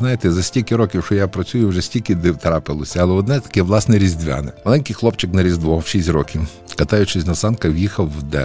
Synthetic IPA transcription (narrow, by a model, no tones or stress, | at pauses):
znɑjɪt̪ɛzɐsʲtʲilʲkɪɾɔkʲiwʃt͡ʃɔjapɾɐt͡sʲujʊwʐɛsʲtʲilʲkɪd̪ɪwt̪ɾɑpɪlˠɔsʲɐɐlˠɛɔd̪nɛt̪ɐ̥kʲɛʋlˠɑsnɛɾʲizʲd̪ʲʋʲa̰nɪmɐlˠɛnʲkijxlˠɔpt͡ʃɪknɐɾʲizd̪ʋɔʃisʲtʲrɔkʲiw | kɐt̪ɑjʊt͡ʃɪsʲnɐsɑnkɐwjixɐwːd̪ɛ̰